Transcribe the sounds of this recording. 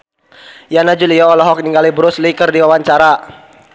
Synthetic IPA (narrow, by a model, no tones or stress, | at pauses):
janad͡ʒuliaːlɔɦɔk̚niŋɡalibɾuslikərdiwawaɲt͡ʃaɾa